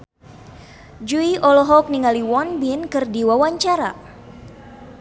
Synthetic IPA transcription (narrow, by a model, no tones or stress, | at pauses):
d͡ʒuiʔɔlɔɦɔk̚niŋaliwɔnbinkɨrdiwawaɲt͡ʃaɾa̰